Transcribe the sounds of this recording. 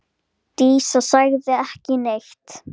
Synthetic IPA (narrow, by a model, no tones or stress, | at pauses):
t̪iːsɔsaɣðɪɛhcɪnext̪